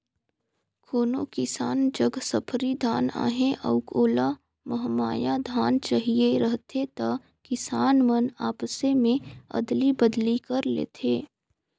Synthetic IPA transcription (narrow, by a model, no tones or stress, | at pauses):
kʰoːnokɪsaːnd͡ʒɐɡsɐpʰɾid̪ʱaːna̰ːɦẽʔɐ̰ʊkoːla | məɦmaːjad̪ʱaːnt͡ʃaɦieɾɐɦt̪ʰet̪a | kɪsaːnmənaːpsemẽɐ̰d̪libəd̪likɐɾlḛːt̪ʰeː